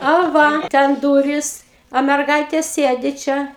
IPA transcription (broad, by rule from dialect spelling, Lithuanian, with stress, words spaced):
ɐ ˈʋɐ ˈtʲɛn ˈduːrʲɪs oː mʲɛrˈɡɐɪtʲeː ˈsʲeːdʲɪ ˈt͡ʃʲɛ